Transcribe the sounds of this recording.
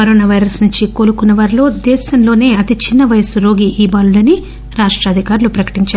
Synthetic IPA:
ɐɾoːnaːʋɐjɾɐsnuɲt͡ʃikoːlukunːɐʋaːɾilo̞ːd̪ɛːʃɐmlo̞ːne̞ːɐt̪it͡ʃinːɐʋɐjɐsɾo̞ːɡiʔiːbaːlulɐni | ɾaːʂʈɾaːd̪ʱikaːɾulupɾɐkɐ̥ʈiɲt͡ʃaː

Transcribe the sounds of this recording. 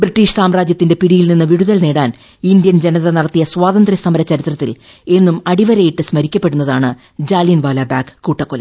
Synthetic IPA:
briʈːiːʂsaːmɾaːd͡ʑjɐt̪ːinde̞piɽijilninːɨʋiɽuðɐlne̞ːɽaːn | ind̪jɐnd͡ʑe̞nɐðɐnɐɽɐt̪ːijɐswaːðɐnd̪rjisɐmɐɾɐt͡ɕɐɾit̪rɐt̪ːil | e̞nːumɐɽiʋɐɾɐjiʈːɨsmɐɾikʲːɐpːe̞ɽunːɐðaːɳɨ | d͡ʑaːlijɐnʋaːlaːbaːkkːuːʈːɐkːolɐ̰

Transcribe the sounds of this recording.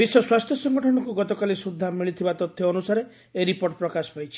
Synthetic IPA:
biswɔswast̪ʰjɔsɔŋɡʱɔʈʰɔɽ̃ɔkuɡɔt̪ɔkalisud̪ʱːamiɭit̪ʰibat̪ɔt̪ʰːjɔɔnusaɾe | eɾipoɾʈ̚pɾɔkasɔ̥pajt͡ʃʰi̥

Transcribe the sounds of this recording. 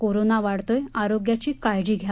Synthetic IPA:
koɾonaʋaɽt̪ojaɾoɡjat͡ɕiːkajd͡ʑiːɡʱja

